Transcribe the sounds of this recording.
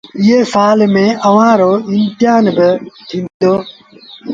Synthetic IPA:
ijeːsaːlmẽːʔɐʋãːɾoːɪnt̪ɪjaːnbət̪ʰĩnd̪oː

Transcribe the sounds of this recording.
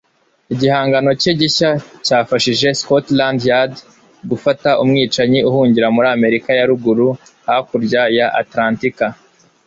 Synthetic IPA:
iɟihaːŋɡano̞ceɟiçacaːfaʃiʒe̞skotlandjad | ɡufataʔumŋiːt͡ʃaɲiuhuːɲɟiɾamuɾaːme̞ɾikajaɾuɡuɾuhahakuɾɟajaʔa̰tɾaːntika

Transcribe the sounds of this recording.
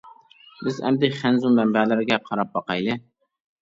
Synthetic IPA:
bɪzɛ̰md̪ɪχænzummɛmbælɪɾɪɡʲɛqʰɑɾɑp̚bɑqɑjlˠɨ

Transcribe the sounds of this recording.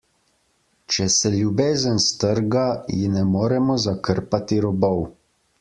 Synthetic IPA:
t͡ʃɛsɛljubeːzənst̪əɾɡajinɛmoːɾɛmɔzakəɾpat̪iɾɔbɔw

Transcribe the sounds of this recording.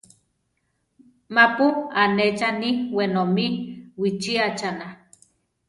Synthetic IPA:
mapuanet͡ʃaniwenomiwit͡ʃiat͡ʃana

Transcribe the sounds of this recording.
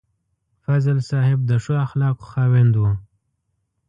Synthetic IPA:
fazlsɑhɪb̚d̪əʂoaxlɑqxɑwɪnd̪wa

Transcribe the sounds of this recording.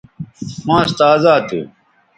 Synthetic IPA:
xãːst̪aːzaːt̪ʰḛ

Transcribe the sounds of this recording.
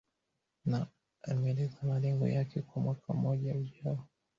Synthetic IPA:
na | aimɛɛlɛzamalɛŋɡɔ̰jakʰɛkwamwakʰam̩ːɔʄauʄaɔ

